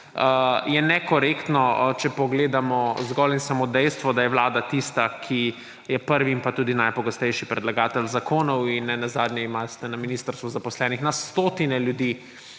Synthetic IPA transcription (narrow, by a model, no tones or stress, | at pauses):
əjɛnɛkɔɾekt̪nɔt͡ʃɛpɔɡleːd̪amɔzɡɔlinsamoːd̪ɛjst̪ʋɔd̪ajɛʋlaːd̪at̪ist̪akʰi | jɛpəɾʋiimpat̪uːd̪inajpɔɡɔst̪ɛjʃipɾɛd̪laɡaːt̪ɛlzakoːnɔwinːɛnazaːd̪nɲɛimast̪ɛnaminiːst̪əɾst̪ʋuzapɔslɛːnixnast̪oːt̪inɛljud̪iː